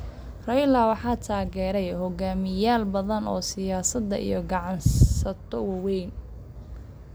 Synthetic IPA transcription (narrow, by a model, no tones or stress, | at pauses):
rɐjlawɑħɑːt̪ʰaːɣɛːɾɛjhɔɡaːmɪjaːlbɐðɐnɔ̰ːsɪjaːsɐd̪ːɐʔḭjɔɡɑʕɑnsɐt̪ʰɔwɑwɛjn